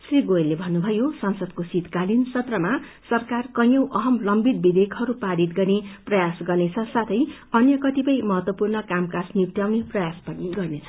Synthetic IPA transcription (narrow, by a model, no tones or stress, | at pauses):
sriɡojelːebʱʌnːubʱʌjosʌnsʌd̪kosit̪kalinsʌt̪rʌmasʌrkarkʌjʌwʔʌɦʌmlʌmbit̪̚bid̪ekʰɦʌɾupaɽit̪ɡʌrneprʌjasɡʌrnet͡sʰʌsat̪ʰʌj | ʌnjʌkʌt̪ipʌjmʌɦʌt̪wʌpurnʌkamkasnit̪jawneprʌjaspʌniɡʌrnet͡sʰʌ̥